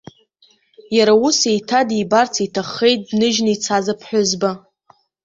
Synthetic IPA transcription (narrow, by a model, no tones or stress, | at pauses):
jaɾausejtʰadibart͡sʰitʰaχe̞jt̚dnɨʒnit͡sʰazapʰħʷᶣʊzba